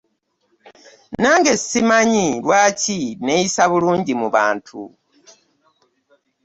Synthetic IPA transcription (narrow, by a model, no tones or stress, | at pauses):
naːŋɡe̞ssimaɲilwaːcine̞jisaβuluːɲɟimuβa̰ːntʰṵ